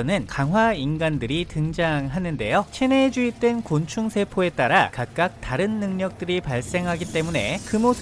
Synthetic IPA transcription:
nɯnkaŋɦwainɡandɯɾitɯŋd͡ʑaŋɦanɯnde̞̰jot͡ɕʰeneːd͡ʑuit͈wenkont͡ɕʰuŋsʰe̞pʰoe̞t͈aɾakak̚k͈ak̚t͈aɾɯnːɯŋɲʌk̚t͈ɯɾipaɭs͈e̞ŋɦaɡit͈e̞mune̞̰kɯmos

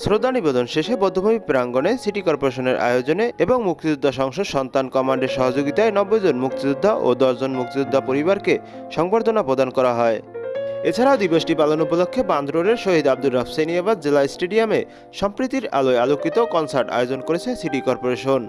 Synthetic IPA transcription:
sɾod̪ʱːanibed̪onʃeʃebɔd̪ʱːobʱomipɾaŋɡonesiʈikɔɾpoɾeʃoneɾʔa̰jod͡ʑoneeboŋmuk̚t̪id͡ʑud̪ʱːaʃɔŋʃod̪ʃɔnt̪ankɔmaɳɖeɾʃɔɦod͡ʑoɡit̪aenɔbːojd͡ʑonmuk̚t̪id̪ud̪ʱːaʔo̰d̪ɔʃd͡ʑonmuk̚t̪id͡ʑ̪ud̪ʱːapoɾibaɾke | ʃɔŋbaɾd̪onapɾod̪ankɔɾaɦɔeet͡ɕʰaɾaod̪iboʃʈipalonupolokʰːeband̪ʱɾoɾeɾʃoɦid̪ab̚d̪ulːafseniabad̪d͡ʑelasʈeɖiame | ʃɔmpɾit̪iɾa̰loealokit̪okɔnsaɾʈa̰jod͡ʑonkoɾet͡ɕʰesiʈikɔɾpoɾeʃon

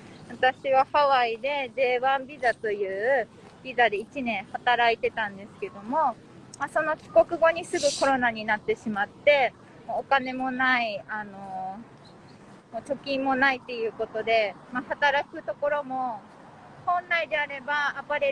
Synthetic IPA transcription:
βat̪aɕiβahaβaid̪e̞d̪e̞ːβãmbʲizat̪o̞jɯ̟ː | b̥ʲizad̪e̞it͡ɕinẽ̞ɰ̃hat̪aɾait̪e̞t̪ãnd̪e̞sɨ̥ke̞d̪o̞mo̞ | maso̞no̞kʲi̥ko̞kɯ̟ɡo̞ɲ̟isɨɡɯ̟ko̞ɾo̞naɲ̟inat̪ːe̞ɕimat̪ːe̞ | moːkane̞mo̞naiano̞ | mot͡ɕo̞kʲĩmːo̞nait̪ːe̞jɯ̟ːko̞t̪o̞d̪e̞ | mahat̪aɾakɯ̟t̪o̞ko̞ɾo̞mo̞ | hõ̞nːaid̪e̞aɾe̞baːpaɾe

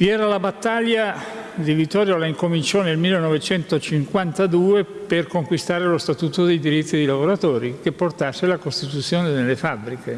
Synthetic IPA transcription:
viɛːɾalabat̪ːalja | d̪ivit̪ːɔːɾjolaiŋkomint͡ʃɔnelmilːenɔvet͡ʃɛnt̪ot͡ʃiŋkwant̪ad̪uːeperkoŋkwist̪aːɾelost̪at̪uːt̪od̪ejd̪iɾit̪ːid̪ejlavoɾat̪oːɾik̟epːort̪asːelakost̪it̪ut̪sːjoːned̪elːefabːɾike

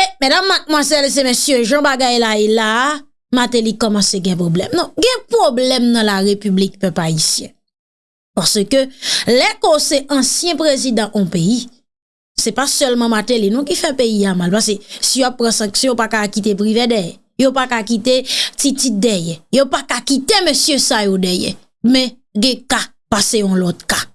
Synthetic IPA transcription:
emɛdamːat̪̚mwazɛls̬emesjøʒãbaɡajlaela | mat̪elikɔmɑ̃seɡɛ̃pʁoblɛmnɔ̃ɡɛ̃pʁoblɛmnɐ̃laʁepyblik̚pœpaisjɛ̰̃ | paʁsøkølɛkosɛʔɐ̃sjɛ̃pʁezid̪ɑ̃ʔɔ̃pei | sɛpasœlmãmat̪elenɔ̃k̬ifɛpeiamalpas̬esijoapːʁãsãksjɔ̃jopakakit̪̬epɣivɛdɛjɛ̰ | jopakakit̪etitit̪̚d̪ɛjɛjopakakit̪emøsjøsajodɛjɛ̰ | mɛ̃ | ɡɛ̃ka | paseɔ̃lɔt̪̚ka

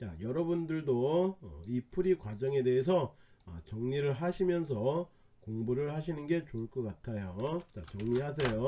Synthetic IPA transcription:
t͡ɕa̰jʌɾʌbundɯɭdoʌipʰuɾikwad͡ʑʌŋe̞de̞ɦes̬ʰʌ | ʌt͡ɕʌŋɲiɾɯɭɦaɕʰimjʌns̬ʰʌ | koŋbuɾɯɭhaɕ̬ʰinɯnɡe̞t͡ɕoɭk͈ʌk͈atʰajot͡ɕat͡ɕʌŋɲiɦas̬ʰe̞jo

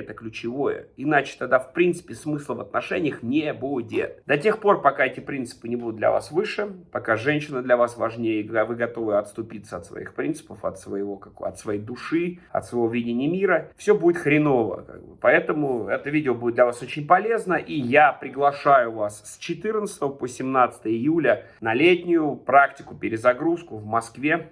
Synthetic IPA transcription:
ɛt̪əklʲʉt͡ɕɪvo̞jə̰ɪnat͡ɕɪ̥t̪ɐɡd̪afpɾʲint̪sɨ̥pʲɪsmɨslˠəvɐt̪nɐʂɛnʲɪjəxnʲebudʲɪ̰t̪d̪ɐtʲe̞xpo̞rpɐkaɛtʲɪpɾʲint̪sɨ̥pɨnʲɪbud̪ʊt̪d̪lʲɐ̰va̰svɨʂɨpɐkaʐɛnʲɕɪnəd̪lʲɐvasvɐʐnʲejəvɨɡɐt̪o̞vɨɐt̪st̪ʊpʲit̪səɐt̪svɐ̰ḭxpɾʲint̪sɨ̥pəfɐ̰t̪svəjɪvo̞kaɐ̰t̪svɐjejd̪ʊʂɨɐ̰t̪svɐɪvovʲidʲɪnʲɪjəmʲiɾəfsʲɵbudʲɪt̪xɾʲɪnovə̰ka̰ɡ̚bɨ̰pɐɛt̪əmʊɛt̪əvʲidʲɪəbudʲɪt̪d̪lʲɐvasot͡ɕɪnʲpɐlʲe̞znəʔijapɾʲɪɡlˠɐʂajʊvasːt͡ɕɪt̪ɨrnət̪sɨ̥t̪əvəposʲɪmnat̪sɨ̥t̪əjəɪjulʲə | nɐlʲetʲnʲɪjʊpɾaktʲɪ̥kʊpʲɪɾʲɪzɐɡɾuskʊvmɐskvʲe̞

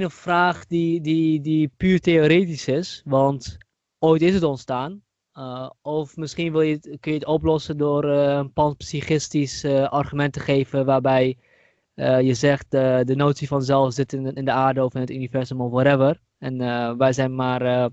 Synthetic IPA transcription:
nəfraːχdididipyːrtejoːɾeːtisɪsʋɑnt | oːjtɪsətɔntstaːn | ɔfmɪsχinʋɪlˠjəkønjətɔplɔsədʊːrənpɑnpsiχɪstisəʔɑrχymɛntəχeːvəʋaːrbɛj | əjəzɛχtədənoːtsifɑnzɛlˠfzɪtɪndəaːɹdəɔfɪnətynivɛɹzɔmɔfwɔɾɛvər | ɛnʋɛjzɛjnmaːrə

